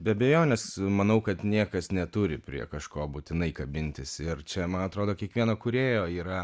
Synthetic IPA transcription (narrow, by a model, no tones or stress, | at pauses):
bʲɛɐbʲɛjoːnʲɛsmɐnɐʊkɐt̪nʲiɛkɐsnʲɛt̪ʊɾʲɪpʲɾʲḭɛkɐʃkoːbuːt̪ʲɪnɐɪkɐbʲɪnʲt̪ʲɪsɪrt͡ʃʲɛmɐnɐt̪ɾoːd̪oːkʲiɛkʋʲiɛnoːkʊɾʲeːjoːiːɾɐ